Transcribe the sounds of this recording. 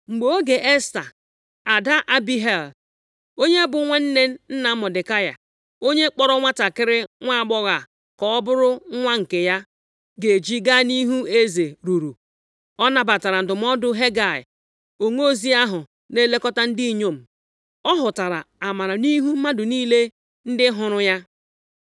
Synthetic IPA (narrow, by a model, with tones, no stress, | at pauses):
ŋ͡m̩˨ɡ͡bo˨˦o˦ɡe˨ʔe˦sta̰˨ | a˨da˦ʔa˦bi˦ɦe˨l | o˦ɲe˦bʊ˨˦ŋʷe˦n̩˦ne˦n̩˦n̩˦na˨˦mʊ˨dɪ˨ka˦ja̰˨ | o˦ɲe˦k͡pɔ˦ɾɔ˦ŋʷa˦ta˨kɪ˦ɾɪ˦ŋʷa˦˨ɡ͡bɔ˦ɣa˨ | kɔ˦ɔ˦bʊ˦ɾʊ˦ŋʷa˦ŋ̩˨ke˨ja˦ | ɡe˨d͡ʒi˦ɡa˦ni˦ɦu˦e˦ze˨ɾu˨ɾu˨ | ɔ˦na˨ba˨ta˨ɾa˨n̩˨dʊ˨m̩˦ɔ˦dʊ˦ɦe˦ɡa˨ɪ̰˨ | o˨ŋo˦˨zi˦a˦ɦʊ˨ | ne˦le˦kɔ˦ta˦n̩˦di˦i˨ɲo˦m̩˨ | ɔ˦ɦʊ˨ta˨ɾa˨a˨ma˨ɾa˨ni˦ɦu˦m̩˦ma˦dʊ˨niː˦le˦ | n̩˦dɪ˦ɦʊ˨ɾʊ˦ja˦